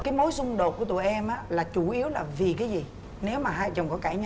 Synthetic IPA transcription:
kaː˨˦jmo˨˦jsʊ˧ŋ͡mɗo˨˩t̚kət̪ṵ˨˩jʔɛ˧mʔaː˨˦laː˨˩t͡ɕu˧˩ʔi˨˦əwlaː˨˩vi˨˩kaː˨˦jzi˨˩ | ne˨˦wmaː˨˩ɦaː˧˨jt͡ɕə˨˩ŋ͡mkɔ˨˦kaː˧˩ɲ˧

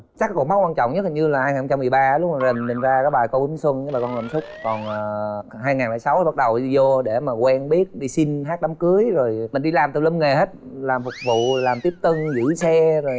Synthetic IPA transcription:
t͡ɕa˦˥k̚kɔ̰˧˦ŋ͡mɓa˦˥kwaː˧nt͡ɕɔ̰˧˨wŋ͡mɲ˦˥t̚ːɲɨ˧laː˨˩haː˧ja˨˩˧t͡ɕa˧mːɨ˨˩əjɓaː˧˦lʊ˦˥k͡p̚maː˨˩ze˨˩nmi˨˩ŋ̟zaː˧kaː˨˦˥jɓaː˨˩jko˧ʔɨ˨˦ŋswə˧n˧˦a˨˩kɔ˧nlə̰˧˨msʊ˦˥k͡p̚kɔ˨˩nː˨˩ɦaː˧jŋaː˨˩ŋlɛː˧˩jsa˨˦wɓa˦˥t̚ɗə˨˩wi˧zo˧ɗe˧˩maː˨˩kwɛ˧nɓi˦˥ət̚ɗi˧si˧nɦaː˦˥t̚ɗa˨˦mkɨ˨˦əjzo˨˩jmï̟˨˩ɗi˧laː˨˩mt̪ɨ˨˩lə˧mŋe˨˩ɦe˦˥t̚laː˨˩mfʊ˨˩k͡p̚vṵ˧˨laː˨˩mt̪i˦˥əp̚t̪ə˧nzḭ˧˥sɛ˧zo˨˩j

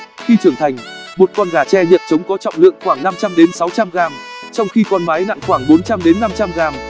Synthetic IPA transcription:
xi˧t͡ɕɨ˧˩əŋt̪ʰa˨˩jŋ̟mo˨˩t̚kwɔ˧nɣaː˧˩t͡ɕɛ˧ɲḭ˨˩əp̚t͡ɕə˨˦wŋ͡mkɔ˨˦t͡ɕɔ̰˧˨wŋ͡mlɨ̰˧˨əŋxwaː˧˩ŋna˧mt͡ɕa˧mɗe˨˦nsa˨˦wt͡ɕa˧mɣaː˧mt͡ɕɔ˧wŋ͡mxi˧kɔ˧nmaː˨˦jna̰˧˨ŋxwaː˧˩ŋɓo˨˦nt͡ɕa˧mɗe˨˦nːa˧mt͡ɕa˧mɣaː˧m

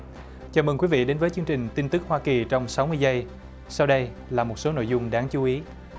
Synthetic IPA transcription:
t͡ɕaː˨˩mə˨˩ŋkwi˨˦vḭ˧˨ɗe˨˦nvəː˨˦jt͡ɕɨ˧əŋt͡ɕï˨˩ŋ̟t̪i˧nt̪ɨ˦˥k̚hwaː˧ki˨˩t͡ɕɔ˧wŋ͡msa˨˦wmɨ˧əjzə˧j | sa˧wɗə˧j | laː˨˩mo˨˩t̚so˨˦no̰˧˨jzʊ˧ŋ͡mɗaː˨˦ŋt͡ɕu˨˦ʔi˨˦

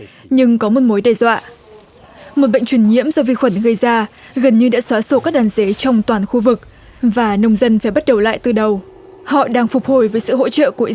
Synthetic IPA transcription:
ɲɨ˧ŋkɔ˨˦mo˨˩t̚mo˨˦jɗe˨˩zwa̰ː˧˨ | mo˨˩t̚ɓə̰˧˨ŋ̟t͡ɕwi˧˩nɲḭ˧˥əmzɔ˧vi˧xwə˧˩nɣə˧jzaː˧ | ɣə˨˩nɲɨ˧ɗa̰ː˧˥swaː˨˦so˧˩kaː˦˥k̚ɗaː˨˦nze˨˦t͡ɕɔ˧wŋ͡mt̪waː˨˩nxu˧vɨ˨˩k̚ | vaː˨˩nə˧wŋ͡mzə˧nfaː˧˩jɓa˦˥t̚ɗə˨˩wla̰ː˧˨jt̪ɨ˧˩ɗə˨˩w | hɔ̰˧˨ɗaː˧ŋfʊ˨˩k͡p̚ho˨˩jvəː˨˦jsɨ̰˧˨ɦo̰˧˥t͡ɕə̰ː˧˨ku˧˩ʔ

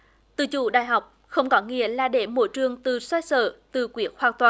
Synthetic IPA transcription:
t̪ɨ̰˧˨˩t͡ɕṵ˧˩ɗa̰ː˧˨jɦa˨˩wk͡p̚ | xə˧wŋ͡mkɔ˨˦ŋḭ˧˨əlaː˨˩ɗe˧˩mo̰˧˥jt͡ɕɨ˨˩əŋt̪ɨ˨˩swa˧j̚sə̰ː˧˩t̪ɨ˨˩kwi˨˦əkxhwaː˨˧˩ŋt̪waː˨˩

